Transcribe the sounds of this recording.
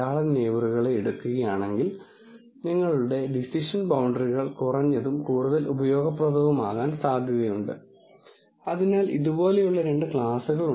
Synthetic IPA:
aːɭɐne̞ːʋuruɣɐɭeːɽukːuɣɐjaːɳe̞ŋɡil | niŋːɐɭuɽe̞ɖisiʂɐnbɐwɳɖɐriɣɐɭkurɐɲːɐðumkuːɽuðɐlʔubɐjo̞ːɡɐp̬rɐb̪ʱɐʋɐmaːɣaːnsaːd̪ʱjɐðjɐjuɳɖɨ̰ | ɐðinaːliðubo̞ːle̞juɭːɐɾe̞ɳɖɨkɭaːsuɣɐɭu

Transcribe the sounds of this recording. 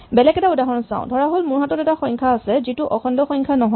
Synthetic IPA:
bɛlɛkɛtaudaɦɔɹnɔsã̰ʊ̃dʱɔɹaɦolmuɹɦatɔtɛtaxɔjŋkʰaːsɛzituʔɔxʰɔndɔxɔjŋkʰanɔɦɔ

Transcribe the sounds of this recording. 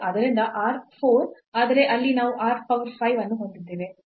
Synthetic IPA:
ʔɐd̪ɐɾind̪ɐʔaːɾpʰoːɾ | aːd̪ɐɾe̞ʔɐlːinaːʋuʔaːɾpɐʋɾpʰɐjʋɐnːuɦond̪id̪ːiːʋi

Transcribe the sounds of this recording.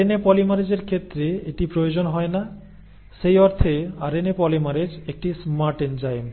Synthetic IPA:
enepɔlimaɾed͡ʑeɾkʰet̪ːɾeeʈipɾood͡ʑonɦɔena | ʃejɔɾt̪ʰeaɾenepɔlimaɾed͡ʑek̚ʈismaɾʈend͡ʑajm

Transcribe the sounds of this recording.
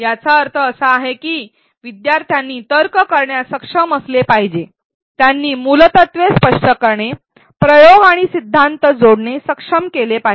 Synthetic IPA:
jat͡saəɾt̪ʰəːsəaɦekiː | ʋid̪jaɾt̪ʰjanːiːt̪əɾkəkəɾɳjasəkʂəməslepaɦid͡ʑe | t̪janːiːmulət̪ət̪ʋespəʂʈəkəɾɳe | pɾəjoɡaɽ̃isid̪ʱːant̪əd͡zoɽɳesəkʂəmkelepaɦi

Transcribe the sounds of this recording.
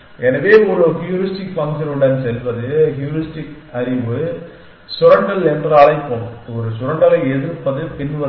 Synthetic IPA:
ɛnɐʋeːɔɾɯhjuːɾɪsʈɪkʋɐŋsɐnɯɽɐnsɛlʋɐðɯɦjuːɾɪsʈɪk | ɐɾɪʋɯ | sʊɾɐɳɖɐlɛndraːlɐɪpːoːnɔɾɯsʊɾɐɳɖɐlɐɪɛðɯɾpːɐðɯpɪnʋɐ

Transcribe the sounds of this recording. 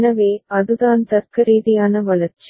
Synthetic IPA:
nɐʋeːɐðɯðaːnt̪ɐɾkɐɾiːðɪjaːnɐʋɐlɐɾt͡ʃi

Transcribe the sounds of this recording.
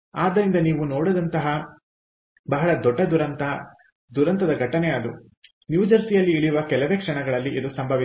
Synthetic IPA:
aːd̪ɐɾind̪ɐniːʋunoːɽɔd̪ɐnt̪ɐɦɐ | bɐɦɐɭɐd̪ɔɖːɐd̪uɾɐnt̪ɐ | d̪uɾɐnt̪ɐd̪ɐɡʱɐʈːɐnead̪u | njuːd͡ʒɐɾsijɐlːiːɭijuʋɐkɛlɐʋe̞ːkʂɐɳɐɡɐɭɐlːiʔid̪usɐmbʱɐʋi

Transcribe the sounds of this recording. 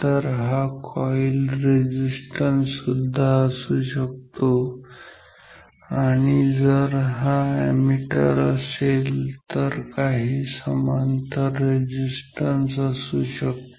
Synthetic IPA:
t̪əɾɦakʰɔjilɾed͡ʑisʈənsud̪ʱːaəsuɕək̚t̪o | aɽ̃id͡zəɾɦaæmiʈə̰ɾəselt̪əɾkaɦiːsəmant̪əɾːed͡ʑisʈənsəsuɕək̚t̪o

